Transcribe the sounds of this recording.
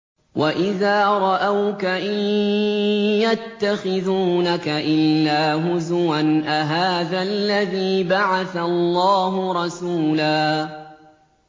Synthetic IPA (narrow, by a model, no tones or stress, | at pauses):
wʔaʔɪðaːɾˤɑʔawkaʔɪ | jat̪ːaxɪðuːnakaʔɪlːaːɦʊzwanʔaɦaːðalːaðiːbaʕaθallːɑːɦʊɾˤɑsuːlaː